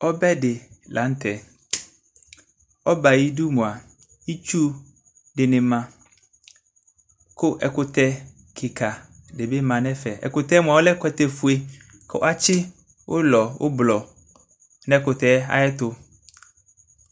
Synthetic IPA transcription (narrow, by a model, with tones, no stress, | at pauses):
ɔ˦bɛ˦dɪ˨lʔã˨˦n˦tʰɛ˨ | ɔ˦ba˨ji˦du˦mʊ̃˨a˨ | i˦t͡ʃu˦ | dɪ˨nɪ̃˨mã˨ | kʰʊ˦ʔɛ˨kʊ˨t̪ʰɛ˦ | kʰɪ˨kʰa˨dɪ˨be˦mã˨nɛ̃˦fɛ˨ɛ̰˨kʊ˨t̪ɛ˦mʊ̃˨a˨wɔ˦lɛ˦kɛ˨t̪ɛ˨fu˦e˦ | kʰɔ̰˨w̰a˦t͡ɕʰɪ˦ | ʔʊ˦lɔ˨wʔʊ̰˦blɔ˨ | nɛ̃˦kʊ˨tɛ˨˦a̰˨jɛ˦tʊ˨